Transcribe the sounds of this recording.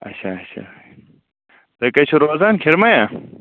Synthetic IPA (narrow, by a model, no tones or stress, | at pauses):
ɐ̰ɕʰaɐɕʰa̰ | t̪ɐkɐt͡ɕʰuɾoːzaːnkʰeɾmɐja